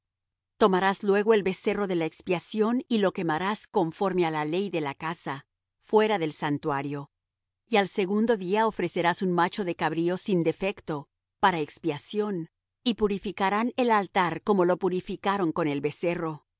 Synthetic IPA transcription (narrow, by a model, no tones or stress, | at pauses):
t̪o̞maɾaslwe̞ɣo̞e̞lβe̞se̞ro̞ðe̞laekspjasjo̞nilo̞ke̞maɾasko̞ɱfo̞ɾmealale̞jðe̞lakasa | fwe̞ɾaðe̞lsant̪waɾjo̞ | ialse̞ɣund̪o̞ðiao̞fɾe̞se̞ɾasunmat͡ʃo̞ðe̞kaβɾio̞sind̪e̞fe̞kt̪o̞ | paɾaekspjasjo̞n | ipuɾifikaɾane̞lalt̪aɾko̞mo̞lo̞puɾifikaɾo̞ŋko̞ne̞lβe̞se̞ro̞